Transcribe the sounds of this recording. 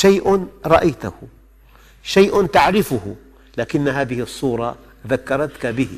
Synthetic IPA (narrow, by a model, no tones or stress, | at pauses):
ʃajʔnɾˤɑʔajt̪ahʊ | ʃajʔnt̪aʕɾɪfʊhʊ̰ | laːkɪnːɦaːðɪhɪsˤːuːɾˤɑ | ðakːɑɾˤɑt̪kabɪhɪ̰